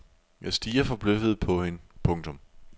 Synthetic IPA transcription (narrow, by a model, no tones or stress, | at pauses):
jæsd̥iːɐfɒ̽b̥løfəð̩ˠpʰɒ̽he̝nəpʰɔ̽ŋt͡sʰɔ̽m